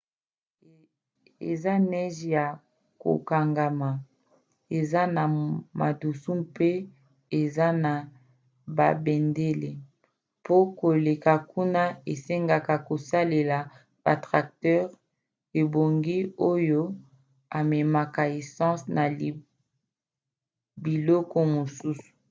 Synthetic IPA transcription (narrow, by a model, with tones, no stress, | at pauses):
ḛ˨za˦nɛ˦ʒja˨ | ko̰˨ka˨ŋɡa˨ma˨ | e˨za˦na˨ma̰˨du˨su˦mpe˦ | e˨za˦na˨ | ba̰˨bɛ˨nde˦le˨ | po˦ko˨le˨ka˨ku˦na˦e˨se˦ŋɡa˨ka˨ko˨sa˦le˨la˨ | b̥a˨tʁa˨k̚tɛ˦ʁ | e˨bo˨ŋɡi˦o˦jo˦ | a˨mɛ˨ma˨ka˨e˨sɑ̃˦sna˨li˨ | bi˨lɔ˦kɔ˦mo˨su˦su̥˨